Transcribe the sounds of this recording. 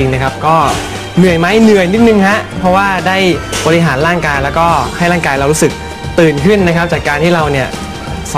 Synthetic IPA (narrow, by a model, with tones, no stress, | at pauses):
i˧ŋna˦˥kʰa˦˥p̚kɔː˥˩ | nɯ˨˩əjma˦˥jnɯ˨˩əjni˦˥t̪̚nɯ˧ŋɦa˦˥ʔpʰɔ˦˥waː˥˩daː˥˩jbɔː˧ɾi˧ɦaː˩˦nɾaː˥˩ŋkaː˧jlɛː˦˥wkɔː˥˩kʰaː˥˩jɾaː˥˩kaː˧jɾa˧wɾu˦˥sɯ˨˩k̚ | t̪ɯː˨˩nkʰɯ˥˩nːa˦˥kʰa˦˥p̚t͡ɕaː˨˩kːaː˧nt̪ʰiː˥˩ɾa˧wni˥˩ɐ | sa˨˩